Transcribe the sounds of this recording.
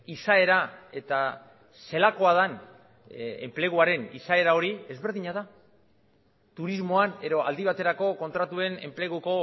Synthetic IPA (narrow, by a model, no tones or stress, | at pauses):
isae̞ɾae̞t̪a | se̞lako̞að̞an | ḛmple̞ɣ̞uaɾe̞nḭsae̞ɾao̞ɾie̞zβe̞ɾðiɲaða | t̪uɾizmo̞ane̞ðo̞a̰ld̪iβ̞at̪e̞ɾako̞ko̞nt̪ɾat̪ue̞ne̞̰mple̞ɣuko̞